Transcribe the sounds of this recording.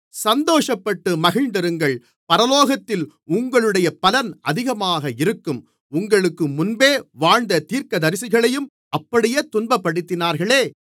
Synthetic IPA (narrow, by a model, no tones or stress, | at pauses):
sɐnd̪oːʂɐpːɐʈːɯmɐɣɪɻnd̪ɐɾɯŋɡɐɭ | pɐɾɐloːɣɐt̪ːɪl | ʊŋɡɐɭɯɽɐjɐpɐlɐnɐðɪɣɐmaːɣɐɪɾɯkːɯm | ʊŋɡɐɭɯkːɯmʊnbeːʋaːɻd̪ɐt̪iːɾkɐðɐɾɪsɪɣɐɭɐjɯm | ʔɐpːɐɽɪjeːt̪ʊnbɐpːɐɽɯt̪ːɪnaːɾɣɐɭeː